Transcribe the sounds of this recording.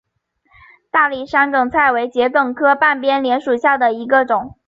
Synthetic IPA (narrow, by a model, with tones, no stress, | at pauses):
t̪a˥˩li˥˩ʂa˥nkɤ˨˩ŋt͡sʰa˥˩ɪwe˧˥ɪt͡ɕjɛ˧˥kɤ˥˩ŋkʰɤ˥pa˥˩npjɛ˥nljɛ˧˥nʂu˨˩ɕja˥˩d̪ə˩i˧˥ɡə˧ʈ͡ʂʊ˨˩˦ŋ